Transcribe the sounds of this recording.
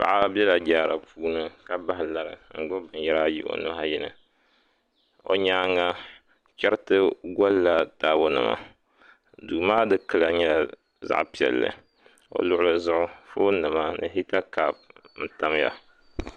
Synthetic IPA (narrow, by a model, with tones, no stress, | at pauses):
pa̰˨ʔa˦bɛ˦la˨d͡ʒaː˨ɾa˨puː˦nɨ˦ka˨ba˦hɪ˨la˨ɾɨ˨ŋ̩˨ɡ͡bo˦bɨ˨njɛ˦ɾaː˦jḭ˦ʔo̰˨nʊ˦ha˦jɪ˦nɨ̰˨ | o̰˨ɲaː˦ŋa˦ | t͡ʃɛ˦ɾtɨ˦ɡɔ˦lla˨daː˦bo˦nɨ̰˨ma̰˨ | du˨˦maː˦dɨ˦kɨ˦la˨ɲɛ˦la˨ | za̰˦ʔpi˨ɛ̰˨lːɨ̰˨ | o̰˨lʊ˦ʔʊ˦lɨ˨zʊ˦ʔʊ˦fo˦nɨ˨ma˦nɨ̰˨ɦi˦ta˦kaː˦˨b̚n̩˦ta˦m˦ja̰˨